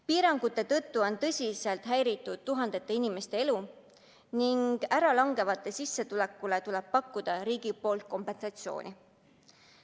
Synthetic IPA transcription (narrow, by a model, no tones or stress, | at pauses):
piːɾɑŋɡ̥ut̪ːˑe̞t̪ɤ̞t̪ːuo̞nt̪ɤ̞sʲise̞lt̪ɦæjɾit̪ˑːud̪̥̚t̪uɦɑnd̪̥e̞t̪ːe̞inime̞st̪e̞elu | niŋɡ̥æɾɑlɑŋɡe̞vɑt̪ːˑe̞sisːe̞t̪ule̞kːˑulet̪ulɛb̥̚pɑkːˑud̪̥ɑɾiːɡ̥ipo̞ːlt̪̚ko̞mpe̞nsɑt̪sio̞̰ːnʲʔi